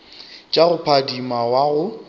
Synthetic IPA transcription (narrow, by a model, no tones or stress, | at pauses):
t͡ʃʼaɣʊpʰadimawaɣʊ